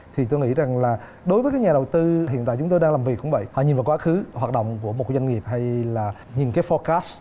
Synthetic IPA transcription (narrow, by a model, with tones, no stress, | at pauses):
t̪ʰi˨˩t̪o˧jŋḭ˧˥za˨˩ŋlaː˨˩ | ɗo˨˦jvəː˨˦kaː˨˦jɲaː˨˩ɗə˨˩wt̪ɨ˧ɦḭ˧˨nt̪a̰˧˨t͡ɕʊ˨˦ŋ͡mt̪o˧jɗa˧ŋlaː˨˩mvi˨˩kʊ̰˧˥ŋ͡mvə̰˧˨jhɔ̰˧˨ɲi˨˩nvaː˨˩wkwaː˨˦xɨ˨˦hwaː˨˩t̚ɗə̰˧˨wŋ͡mku˧˩əmo˨˩zwa˧nŋi˨˩əp̚ha˧jlaː˨˩ | ɲi˨˩nkaː˨˦jfɔ˧kaː˦˥s